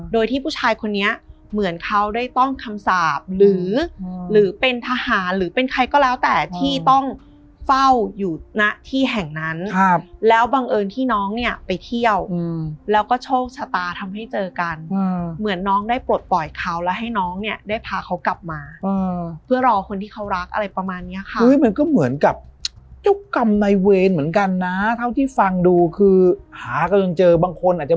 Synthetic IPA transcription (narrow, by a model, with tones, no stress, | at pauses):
doː˧jt̪ʰiː˥˩pʰu˥˩t͡ɕʰaː˧jkʰo˧nːi˦˥ɐ | mɯ˩˦ənkʰa˦˥wdaː˥˩jt̪ɔ˥˩ŋkʰa˧msaː˨˩p̚ɾɯː˩˦ɾɯː˩˦pe˧nt̪ʰaː˧haː˩˦nɾɯː˩˦pe˧nkʰa˧jkɔː˥˩lɛː˦˥wt̪ɛː˨˩t̪ʰiː˥˩t̪ɔ˥˩ŋ | fa˥˩wjuː˨˩na˦˥ʔt̪ʰiː˥˩ɦɛ˨˩ŋna˦˥nʰlɛː˦˥wbaː˧ŋʔɤː˧nt̪ʰiː˥˩nɔː˦˥ŋni˥˩ɐpa˧jt̪ʰi˥˩əwlɛː˦˥wkɔː˥˩t͡ɕʰoː˥˩k̚t͡ɕʰa˧t̪aː˧t̪ʰa˧mɦa˥˩jt͡ɕɤː˧ka˧nɤː˧mɯ˨˩˦ənːɔː˦˥ŋdaː˥˩jpu˨˩ət̪̚pɔ˨˩jkʰa˦˥wlɛː˦˥wɦa˥˩jnɔː˦˥ŋni˥˩ɐdaː˥˩jpʰaː˧kʰa˦˥wkla˨˩p̚maː˧ʔɤː˧pʰɯ˥˩ɐɾɔː˧kʰo˧nt̪ʰiː˥˩kʰa˦˥wɾa˦˥k̚ʔa̰˧ɾa˧jpɾa˧maː˧nːi˦˥ɐkʰa˥ɯ˦˥jma˧nkɔː˥˩mɯ˩˦ənka˨˩p̚t͡ɕa˥˩kka˧mna˧jweː˧nmɯ˩˦ə˦nka˧nːa˦˥t̪ʰa˥˩wt̪ʰiː˥˩fa˧ŋduː˧kʰɯː˧haː˩˦ka˧la˧ŋt͡ɕɤː˧baː˧ŋkʰo˧nʔaː˨˩t͡ɕa˨˩